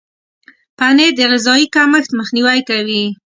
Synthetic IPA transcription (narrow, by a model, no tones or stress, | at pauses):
paned̪əɣɪzɑikaməxt̪məxniwajkawi